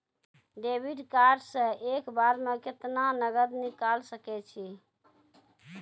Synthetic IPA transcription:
ɖebiɖkaɾɖsə̃ekbaɾmẽkɪt̪nanəɡəd̪nikalsəkɛt͡ʃʰi

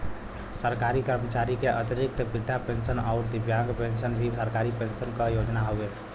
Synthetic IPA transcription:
səɾkaɾikəɾmət͡ʃaɾikeʔət̪iɾik̚t̪bid̪ʱːapensənaʊɾd̪ibjaŋɡpensənbʱisəɾkaɾipensənkəjod͡ʒnaɦobe

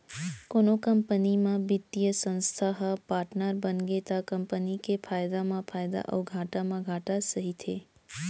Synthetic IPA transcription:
konokəmpənimãbit̪ːijəsə̃nst̪ʰaɦəpaɾʈnəɾbənɡet̪akəmpənikefʰajd̪amãpʰajd̪a̰ʔə̰wɡʱaʈamãɡʱaʈasəɦit̪ʰe

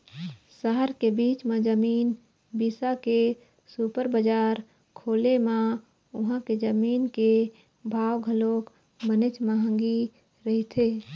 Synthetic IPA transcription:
səɦəɾkebiːt͡ʃmed͡ʒəmiːn | biːsake | supəɾbəd͡ʒaːɾ | kʰoːlemã | ʊɦãked͡ʒəmiːnke | bʱaːwɡʱəloːk | mənet͡ʃmaɦə̃ŋɡi | ɾəɦit̪ʰeː

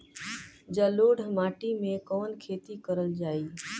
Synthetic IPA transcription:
d͡ʒaːloːɽʱmaːʈimẽkɔːnkʰeːt̪ikəɾəld͡ʒaːiː

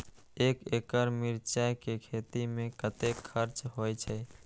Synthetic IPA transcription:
ekekəɾmiɾt͡ʃajkekʰet̪imẽkət̪ekʰːəɾt͡ʃɦojt͡ʃʰə

